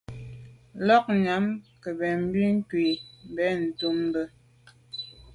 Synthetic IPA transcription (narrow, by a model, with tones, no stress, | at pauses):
lɔ˦k̚ɲa˨˦mkə˨bɛ˨m̩˦bi˦ŋ̩˦kwi˨m̩˨bɛ˨˦n̩˨tu˦m˦bə˦